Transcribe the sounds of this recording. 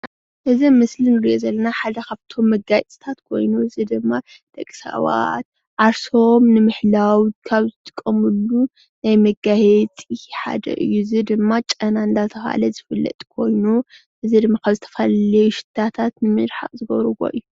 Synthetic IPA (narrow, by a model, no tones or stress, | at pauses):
ʔɨzimɨslinɨɾiʔozɐlːɐnaħad̪ɐkʰaβt̪ʰo̞mːɐɡajt͡s̪ʼɨ̥t̪ʰat̪kʰo̞̰jnuɨzid̪ɨmːa | t̪ʼɐkʼːsa̰wa̰t̪̚ | ʕaɾsomnɨmɨħlawkʰaβzɨt̪ʼɨ̥kʼːɐmɨlːu | najmɐɡahɛt͡sʼiħa̰d̪ɐ̰ʔɨ̰jːuɨzid̪ɨmːat͡ʃʼɐnand̪at̪ʰɐfa̰lɐzɨfɨlːɐ̰t̪ʼkʰo̞jnu | ʔɨzid̪ɨmːakʰaβzɨt̪ʰɐ̥fallɐjuʃɪ̥t̪ʰːat̪ʰat̪nɨmɨɾħa̰ʔʼzɨɡɐ̰βɾɨwo̰ʔɨ̰jːu